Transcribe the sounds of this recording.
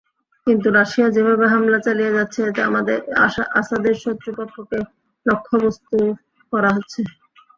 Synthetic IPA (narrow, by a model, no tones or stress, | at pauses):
kint̪uɾaʃijad͡ʑebʱabeɦamlat͡ɕalijed͡ʑatːɕʰeet̪ea̰mad̪eɾasad̪eɾʃɔt̪ːɾopokʰːoke | lokʰːobost̪u | kɔɾaɦotːɕʰe